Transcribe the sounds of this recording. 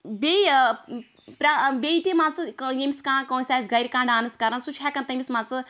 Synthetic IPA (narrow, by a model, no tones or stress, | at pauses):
bʲe | pɾabʲeit̪emãːt͡sɨkjemʲiskãːkõːsʲaːsʲɡɐjɾkãːɖaːnɨskɐɾɐ̃nsut͡ʃʰakɐ̃nt̪ɐmʲismãːt͡sɨ